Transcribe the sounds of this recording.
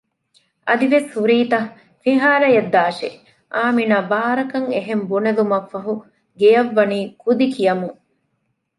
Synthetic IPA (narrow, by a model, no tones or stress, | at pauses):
ɐd̪iʋeshuɾiːt̪ɐ | fiɦaːlɐjɐd̪ːaːʃḛ | ʔaːminaːbaːɾɐkɐŋeɦembunɐlumɐkːɐɦu | ɡejɐʋːɐniːkud̪ikijɐmuŋ